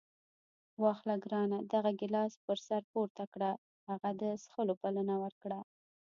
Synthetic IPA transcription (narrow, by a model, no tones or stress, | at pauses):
wɑxlaɡɾɑnad̪aɣaɡɪlɑspəɾsaɾpoɾt̪akɽa | haɣad̪əsxəlopalənawəɾkɽa